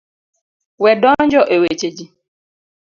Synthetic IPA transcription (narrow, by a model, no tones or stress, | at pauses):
wɛdɔnd͡ʒɔʔewet͡ʃed͡ʒi